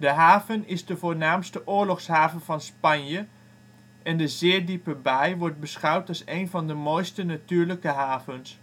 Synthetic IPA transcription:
dəɦaːvənɪzdəvoːnaːmstəʔʊːɹlɔχsɦaːvəvɑnspɑnjə | ʔɛndəzɪːɹdipəbɛjʋɔɹt̚bəsχʌwtɑlˠsejnvɑndəmojstənatyːɹləkəɦaːvəns

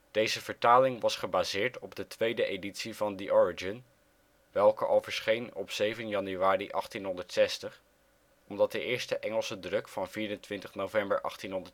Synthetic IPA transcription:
d̥ejzəvəɹtaːlɪŋʋɑsχəbaːzɪːɹtɔb̚dətʋejdəʔejditsivɑndiʔɔɹɪd͡ʒɪn | ʋɛlˠkəʔo̰lˠvəɹsχejnɔpsejvənjɑnyaːriʔɑχtinɦɔndəɹtsɛstəχ | ɔmdɑt̚dəʔɪːɹstəʔɛŋəlˠsədrɵkfɑnviːɾəntʋɪntəχnowvɛmbəɹʔɑ̰χtinɦɔndə

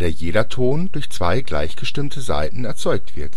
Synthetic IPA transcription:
d̥eːɐjeːdɐtʰoːndʊɐçt͡sv̥aɪɡla̰ɪçɡ̥əʃtɪmtʰəza̰ɪtn̩ɛɐt͡sɔʏk̚tv̥ɪɐt

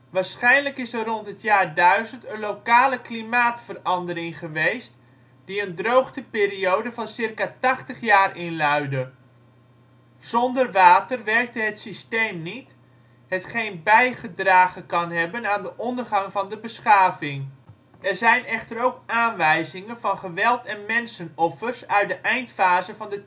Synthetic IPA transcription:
ʋaːɹsχɛjnləkɪsərrɔntɦətjaːrdœɥzəntənlowkaːləklimaːtfərɑndəɾɪŋχəʋejst | d̥iəndrowχdəpɪːɾiowdəvɑnsɪrkatɑχtəχjaːrɪnlœɥdə | z̥ɔndərʋaːtərʋɛrk̚təɦətsistejmnit | ɦətχejnbɛjχədraːχəkɑnɦɛbənaːndəʔɔndərχɑŋvɑndəbəsχaːvɪŋ | ɛrzɛjnɛχtəɾowkaːnʋɛjzɪŋənvɑnχəʋɛlˠtɛnmɛnsənɔfərsœɥt̚dəʔɛjntfaːzəvɑndə

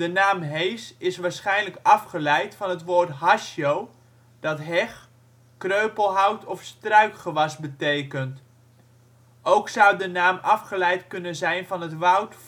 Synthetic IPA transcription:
dənaːmɦejsɪsʋaːɹsχɛjnləkɑfχəlɛjtfɑnɦətʋoːɹtɦɑʃjow | d̥ɑtɦɛχ | krøɥpəlˠɦʌwtʰɔfstrœɥkχəʋɑsbətejkənt | owksʌwdənaːmɑfχəlɛjtkɵnənzɛjnvɑnɦətʋʌwt

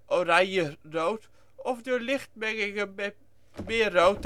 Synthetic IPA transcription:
ʔoɾajərowt | ɔfdolɪxt̚mɛŋɪɡə | mɪːəːowt

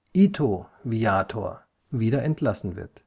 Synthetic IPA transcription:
ʔiːtʰoviaːtʰo̰ːɐ | viːdɐʔɛntʰlasn̩vɪ̰ɐt

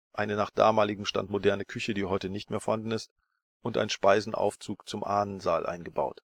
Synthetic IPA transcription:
ʔaɪnənaːχd̥a̰ːmaːlɪɡŋ̩ʃta̰ntmodɛɐnəkʰʏçədiːɦɔʏtənɪçtmeːɐfoɐhandn̩ɪst | ʔʊntʔa̰ɪnʃpaɪzn̩ʔa̰ʊft͡suːkt͡sʊmʔaːnənzaːlʔa̰ɪnɡəba̰ʊt

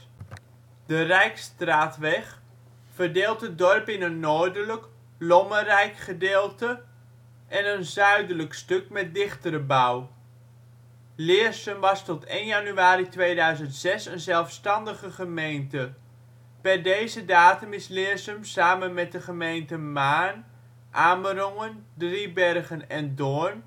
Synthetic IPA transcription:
d̥ərɛjkstraːtʋɛχ | fərdeːlˠtət̚dɔrpɪnənːoːɹdələk | lɔmərɛjkχədeːlˠtə | ʔɛnənzœɥdələkstɵkmɛt̚dɪχtəɾəbʌw | lɪːəɹsəmʋɑstɔtejnjanyaːɾitʋejdœɥzəntsɛsənzɛlˠfstɑndəχəχəmejntə | pɛrdejzədaːtəmɪslɪːɹsəmsaːmənmɛt̚dəχəmejntəmaːn | ʔaːmərɔŋəndribɛrɣənɛndoːɹn

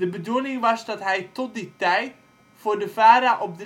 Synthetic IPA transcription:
dəbədunɪŋʋɑsdɑtɦɛjtɔt̚ditɛjt | fʊːrdəvaːɾaʔɔp̚d

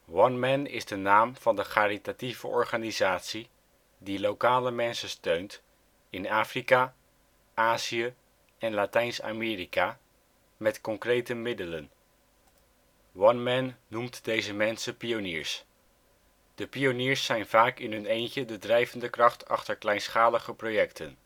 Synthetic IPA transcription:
wɑnmɛnɪ̰zdənaːmv̥ɑndəχaːɾitativə̰ʔɔ̰ɹχanizaːtsi | dilowkaːləmɛnsəstøɥnt | ɪnaːfrika | ʔaːziə | ɛnlatɛjnsa̰mɪːɾika | mɛtkɔŋkrejtəmɪdələn | wɑnmɛnːumtd̥ejzəmɛnsəpionɪːɹs | d̥əpionɪːɹsɛjnvaːkɪnɦɵnejncədədrɛjvəndəkrɑχtʰɑ̰χtəɹklɛjnsχaːləχəprowjɛktʰən

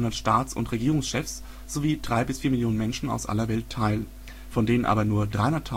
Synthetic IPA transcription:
ʊndɐtʃtaːt͡sʊ̰ntʁ̥eɡiːʁʊŋsʃɛfs | z̥oviːdʁaɪbɪsfiːɐmɪljoːnənmɛnʃn̩a̰ʊsʔa̰lɐvɛltʰːaɪl | fɔndeːnənʔa̰ːbɐnuːɐdʁaɪʊndɐtʰa

